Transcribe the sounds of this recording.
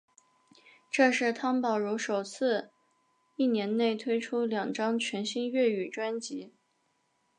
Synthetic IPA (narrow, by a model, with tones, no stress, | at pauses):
ʈ͡ʂɤ˥˧ʂɻ̩˥˩t̪ʰɑ˥ŋpɑ˨˩ʊɻu˧˥ʂo˨˩ʊt͡sʰɹ̩˥˧ | i˥˩njɛ˧˥nne˥˩ɪt̪ʰwe˥ɪʈ͡ʂʰu˥ljɑ˨˩ŋʈ͡ʂɑ˥ŋt͡ɕʰɥɛ˧˥nɕi˥ŋɥɛ˥˩y˨˩ʈ͡ʂwa˥nt͡ɕi˧˥